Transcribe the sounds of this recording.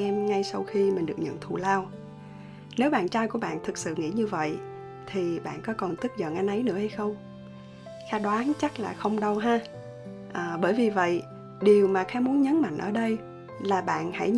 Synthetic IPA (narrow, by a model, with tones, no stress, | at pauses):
ɛ˧mŋa˧jsa˧wxi˧mï̟˨˩ɗɨ˨˩əkɲə̰˧˨nt̪ʰṵ˧˨laː˧w | ne˨˦wɓa̰ː˧˨nt͡ɕaː˧jku˧˩əɓa̰ː˧˨nt̪ʰɨ˨˩k̚sɨ̰˧˨ŋḭ˧˩˥ɲɨ˧və̰˧˨j | t̪ʰi˨˩ɓa̰ː˧˨nkɔ˨˦kɔ˨˩nt̪ɨ˦˥t̚zə̰˧˨nʔa˧nʔə˨˦jnɨ̰˧˥əha˧jxə˧wŋ͡m | xaː˨˦ɗɔ˨˦ʔa˨˦nt͡ɕa˦˥k̚laː˨˩xə˧wŋ͡mɗə˧wɦaː˧ | ʔːɓəː˧˩jvi˨˩və̰˧˨j | ɗi˨˩əwmaː˨˩xaː˧˥mu˨˦nɲə˨˦nma̰˧˨ŋ̟ʔə̰ː˧˩ɗə˧j | laː˨˩ɓa̰ː˧˨nha̰˧˩j